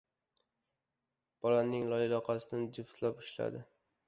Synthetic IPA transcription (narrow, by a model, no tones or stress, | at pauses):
b̥ɒlanːɪŋlˠɒɪlɒqʰɑsɪd̪and͡ʒɪft̪lapɪʃla̰d̪ɪ